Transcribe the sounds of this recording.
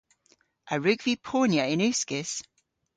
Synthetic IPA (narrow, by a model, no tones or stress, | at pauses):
ʔəɹʉɡvipʰoːnjəɪnʉˑskɪs